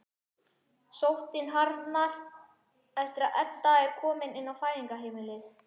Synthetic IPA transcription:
sowht̪ɪnɦaɾt̪naɾ | ɛft̪ɪɾaðɛt̪ːaɛɾ̥kʰɔːmɪnɪnːawfaːjðiŋkaɦejmɪlɪθ

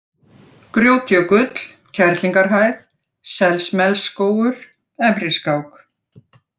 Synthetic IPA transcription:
kɾjoːwt̪ʰjɔkʏt̪l̥ | cʰɛɾt̪liŋkaɾɦaːjθ | sɛlsmɛlskoːwʏɾ̥ | ɛmɾɪskaːwk

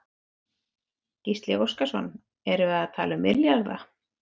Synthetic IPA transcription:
cist̪lɪowskasɔnː | ɛɾʏaðt̪ʰaːlʏmːɪɾljaɣða̰

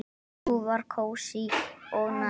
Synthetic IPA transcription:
uvaɾkʰowsiɔɣna

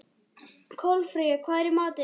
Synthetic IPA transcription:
kʰɔlfɾiakʰvaːjɾɪmaːt̪ɪ

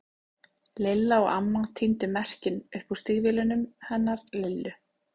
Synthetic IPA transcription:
lɪlːaɔɣamːaŋt̪ʰint̪ʏmɛr̥cɪnʏɾ̥pust̪ɪɣvɪlʏnʏmhɛnːaɾlɪlːʏ

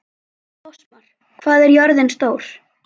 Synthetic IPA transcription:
maɾ̥ | kʰvaːðɛɾjœɾðɪnst̪oːwɾ̥

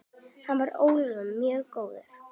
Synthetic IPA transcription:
hanvaɾoːwlʏmːjœːɣkoːwðʏɾ̥

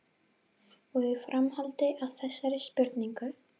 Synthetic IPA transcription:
ɔɣʏfɾamhalt̪ɪʔaðθɛsːaɾɪspjʏɾt̪niŋkʏ

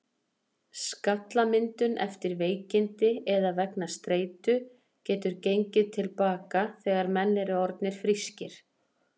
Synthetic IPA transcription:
skat̪lamɪnt̪ʏnʔɛ̰ft̪ɪɾveːjcɪnt̪ɪɛðavɛknast̪ɾeːjt̪ʏ | cɛːt̪ʏɾcejɲcɪðt̪ʰɪlpaːkaθɛːɣaɾmɛnːɛɾɪɔɾt̪nɪɾ̥fɾiscɪɾ̥

